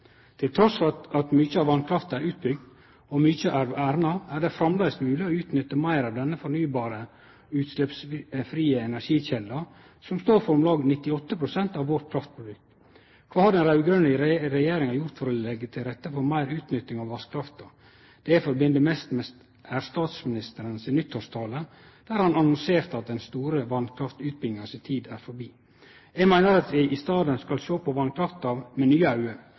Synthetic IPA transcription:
t̪ʰɪlt̪ʰɾɔsɑt̪myːçəɑʋɑnkʰɾɑft̪ɑæɾʉːt̪̚bʏɡ̚d̪ | ɔmyçəʔæɾæːɾnɑæɾɖɛfɾɑmlæɪsmʉːlɪɔʉːt̪nʏt̪ːəmæɪɾɑʋd̪ɛnːəfɔɾnyːbɑːɾə | ʉːt̪slɛpsfɾiːəɛnæɾʂiːçɛlːɑ | sɔmst̪oːɾfɔɾmlɑːɡnɪt̪ːɪɔt̪ːəpʰɾʊsɛnt̪ɑʋːɔt̪kʰɾɑft̪̚pʰʊd̪ʏk | kʰʋɑːhɑɖ̪ɛnɾɑʉɡɾœnəɪɾɾɛjeːɾɪŋɑjʊɾt̪fɔɾɔlɛɡːət̪ʰɪlɾɛt̪ːəfɔɾmæɪɾʉːt̪nʏt̪ːɪŋɑʋʋɑskʰɾɑft̪ɑ | d̪̥ɛæfɔɾbɪnd̪əmɛst̪mɛs | æːɾst̪ɑːt̪smɪnɪst̪əɾənsɪnʏt̪ʰːhɔst̪ʰɑːlə | d̪̥æːɾhɑnɑnɔnseːɾt̪ɑt̪̚d̪ɛnst̪uːɾəʋɑnkʰɾɑft̪ʉːt̪̚bɪŋːəsɪt̪ʰiːd̪æːɾfɔɾbiː | jæɡmæɪnəɾɑt̪ʋɪʔɪst̪ɑːd̪ənskɑlʃoːpʰɔʋɑnkʰɾɑft̪ɑʋmɛnyːəɑʉəɾ

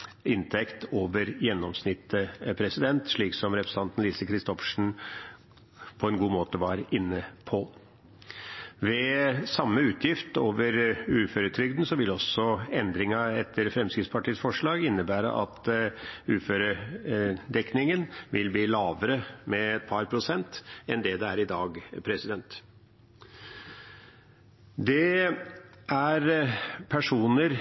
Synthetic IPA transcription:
ɪnt̪ʰɛkt̪oːʋəɾjɛnːɔmsnɪt̪ːəpʰɾɛsɪd̪ɛnt̪ʂɭiːksɔmɾɛpɾə̥sɑnt̪n̩liːsəkʰɾɪst̪ɔfʂɳ̩ | pʰɔɛnɡuːmoːt̪əʋɑɾɪnːəpʰɔ | ʋɛsɑmːəʉːt̪ʰjɪft̪oːʋəɾʉːføːɾət̪ʰɾʏɡd̪n̩sɔʋɪlɔsɔɛnd̪ɾɪŋɑɛt̪ʰːəɾfɾɛmskɾɪt̪spʰɑʈiːəsfɔʂɭɑːɡɪnːəbæːɾə̰ʔɑ̰t̪ | ʉːføːɾə | d̪ɛknɪŋənʋɪlbliːlɑːʋəɾəmɛɛt̪̚pʰɑɾpʰɾʊsɛnt̪ɛnd̪ɛd̪ɛæɾɪd̪ɑːɡpʰɾɛsɪd̪ɛnt̪ | d̪ɛ | ʔæɾpʰæʂuːnəɾ

